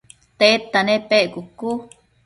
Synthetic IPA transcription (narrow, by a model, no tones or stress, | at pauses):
t̪et̪ːanepeʔɡuku